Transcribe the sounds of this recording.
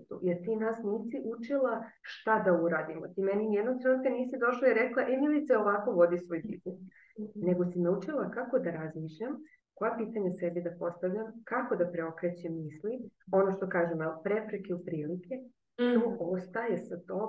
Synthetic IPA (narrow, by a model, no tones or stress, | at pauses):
t̪ṵjeɾt̪iːnasniːsiʔut͡ʃilˠa | ʃt̪ad̪auɾaːd̪imot̪imeninijed̪not̪ɾonkeniːsid̪o̞ʃlaiɾeklˠaʔemilit̪saoʋako̞ʋo̞d̪isʋo̞jpit̪nes | ne̞ɡo̞sinaut͡ʃilakako̞d̪aɾazmiːʃʎam | ko̞japiːt̪aɲasebid̪apo̞st̪aʋʎamkako̞d̪apɾeo̞kɾet͡ɕemːiːslio̞noʃt̪o̞kaːʒemalpɾepɾekeupɾiːlikʰe̞ | noost̪ajesat̪oː